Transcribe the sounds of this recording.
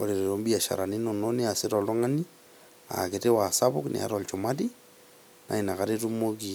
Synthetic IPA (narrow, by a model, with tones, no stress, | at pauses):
oɾe˨ɾeɾombi˦a˨ʃa̰˨ɾa˨ni˦nɔno˦nea˨sɪɾɔ˨lɔ˦ŋa˦ni˦ | a̰˨ke˨te˦wa˨sabʊknʔḛ˨a̰˨ɾɔlt͡ʃomadi | nʔa̰˨i˨na˨kaɾetumoki